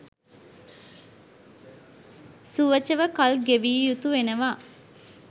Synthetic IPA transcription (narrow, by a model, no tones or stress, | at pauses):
suʋət͡ʃəʋəkɐlɡeʋiːjut̪uʋenəʋaː